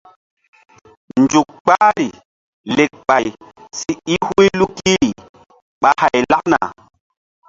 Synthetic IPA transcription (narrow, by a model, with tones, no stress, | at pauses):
n˨d͡ʒu˨k̚k͡paː˦ɾi˨ | le˨k̚k͡pa˨jsi˦i˦hu˦i˦lu˦ki˦ɾi˨ | ɓa˦ha˨jla˦k̚na̰˨